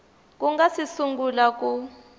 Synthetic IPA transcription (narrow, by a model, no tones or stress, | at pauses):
k̬ʼuŋɡasisuŋɡulak̬ʼu